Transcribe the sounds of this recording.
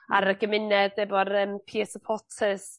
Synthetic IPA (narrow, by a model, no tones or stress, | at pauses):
a̰ɾəɡəmɪnɛdɛbɔrəːmpʰiːɛsəpʰɔtʰəs